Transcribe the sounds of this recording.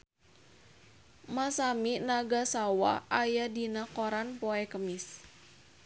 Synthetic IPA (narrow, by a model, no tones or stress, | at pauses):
masaminaɡasawaʔajadinakoɾanpoɛkəmɪs